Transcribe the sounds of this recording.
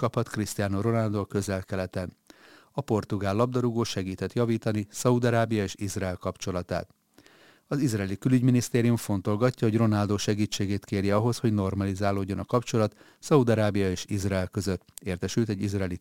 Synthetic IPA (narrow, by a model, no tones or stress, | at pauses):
kɒphɒt̪krist̪ijaːnoro̞nald̪oːkø̞zɛlkɛlɛt̪ɛn | ɒpo̞rt̪uɡaːlːɒb̚d̪ɒɾuɡoːʃɛɡiːt̪ɛt̪jɒviːt̪ɒnisɒud̪ɒɾaːbijɒeːʃizraɛːlkɒpt͡ʃo̞lɒt̪a̰ːt̪ | ɒzizrɛːlikylyɟminist̪eːɾijuɱfo̞n̪t̪o̞lɡɒcːɒɦo̞ɟro̞naːld̪oːʃɛɡiːt͡ʃːeːɡeːt̪keːrjɛɒɦo̞sho̞ɟno̞rmɒlizaːloːɟːo̞nɒkɒpt͡ʃo̞lɒt̪ | sɒud̪ɒɾaːbijɒeːʃizraɛlkø̞zøt̪ːeːrt̪ɛʃylt̪ɛɟizrɛːli